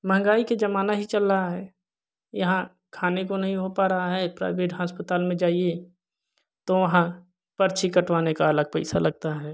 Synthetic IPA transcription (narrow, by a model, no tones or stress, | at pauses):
mɐɦə̃ŋ̆ɡaːiked͡ʒɐmaːnaɦit͡ʃɐlːəɦaɦɛː | jɐɦã | kʰaːnekonɐɦĩɦopaːɾɐɦaɦɛːpɾa̰ːɪʋeːʈɦaːspət̪aːlmẽd͡ʒaːie | t̪oʋɐɦã | pɐɾt͡ʃʰikɐʈʋaːnekaɐləɡ̚pɛɪsalɐɡ̚t̪aɦɛː